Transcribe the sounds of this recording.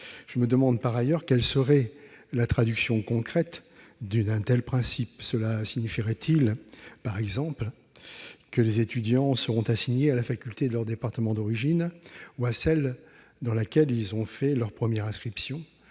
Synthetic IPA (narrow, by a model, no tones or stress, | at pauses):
ʒ̥əməd̪əmɑ̃d̪paʁajœʁkʲɛlsəʁɛlat̪χad̪yksjɔ̃kɔ̃kχɛt̪d̪yɛ̃t̪ɛlpχɛ̃sipsəlasiɲifiʁɛt̪ʰilpaʁɛɡzɑ̃pl | kəlezet̪yd̪jɑ̃səʁɔ̃t̪asiɲealafakʲylt̪ed̪əlœʁd̪epaʁt̪əmɑ̃d̪ɔʁiʒinuasɛl | d̪ɑ̃lakʲɛlilzɔ̃fɛlœʁpχəmjɛʁɛ̃skχipsjɔ̃